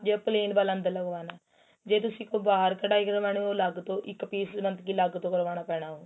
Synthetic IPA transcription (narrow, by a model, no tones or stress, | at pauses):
d͡ʒeːpleːnbaːlə̃nd̪ələɡʋaːnaː | d͡ʒeːt̪ʊsĩːkõbaːɦɾkəɖaːikəɾʋaːneoləɡt̪õːʔɪkːpiːsnənt̪kiːləɡt̪õːkəɾʋaːnaːpɛːɽaːɦõː